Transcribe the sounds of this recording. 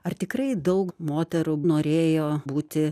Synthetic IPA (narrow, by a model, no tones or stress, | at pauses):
ɐrt̪ʲɪkrɐɪd̪ɐʊkmoːt̪ʲɛɾunoːɾʲeːjoːbuːt̪ʲɪ